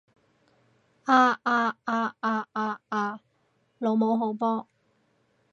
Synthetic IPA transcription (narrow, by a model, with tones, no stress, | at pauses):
ʔaː˧ʔaː˧aː˧aː˧aː˧aː˧ | lo˨˥wmo˨˥wɦo˨˥wpɔː˧˥